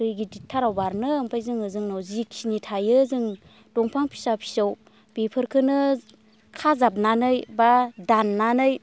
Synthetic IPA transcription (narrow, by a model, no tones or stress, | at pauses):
ɯjɡiditʰːaɾawbaɾnɯmpʰajzɯŋɯzɯŋnawzikʰinitʰajɯzɯŋ | d̥ɔŋpʰaŋpʰi̥sapʰi̥saw | bepʰɯɾkʰɯnɯ | kʰazap̚nanɯjbadanːanɯj